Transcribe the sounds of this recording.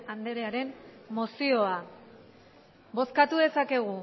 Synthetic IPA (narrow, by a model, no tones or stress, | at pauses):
and̪eɾeaɾe̞mmosio̞a | bo̞skat̪uðe̞sake̞ɣ̞u